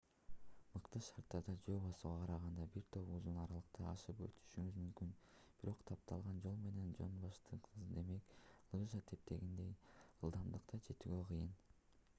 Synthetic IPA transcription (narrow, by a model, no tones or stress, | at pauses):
mɯqt̪ɯʃɑɾt̪ːɑɾd̪ɑd͡ʒoːbosuʁɑqʰɑɾɑʁɑnd̪ɑbiɾt̪ʰo̞puzunɑɾɑlˠɯqt̪ɑɑʃɯpø̰lt̪ʰy̥ʃyŋyzmymkynb̥iɾo̞qt̪ʰɑp̚t̪ʰɑlˠʁɑnd͡ʒo̞lˠme̞ne̞nd͡ʒo̰nbɑʃt̪ɯqʰɯzzɯnd̪e̞me̞klˠɯʒɑt̪ʰe̞p̚t̪ʰe̞ɡind̪e̞jɯlˠd̪ɑmd̪ɯqt̪ʰɑd͡ʒʰe̞t̪yɡøqʰɯjɯn